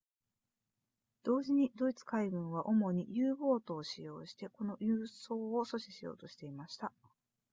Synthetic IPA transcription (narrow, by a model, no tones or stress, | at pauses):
d̪̥o̞ːʑiɲ̟id̪o̞it͡sɨ̥kaiɡɯ̟̃ɰ̃β̞aʔo̞mo̞ɲ̟ijɯːbo̞ːt̪o̞ːɕijo̞̰ːɕi̥t̪e̞ko̞no̞jɯːso̞ːoso̞ɕiɕijo̞̰ːt̪o̞ɕi̥t̪e̞imaɕi̥t̪a